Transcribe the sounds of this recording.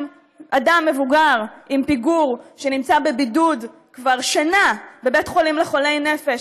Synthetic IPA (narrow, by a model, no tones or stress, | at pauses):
ʔadamːe̞vuɡaʁimpiɡuʁʃe̞nimt͡sabe̞bidud | kvaʁʃanabebetχo̞limleχo̞le̞jne̞fe̞ʃ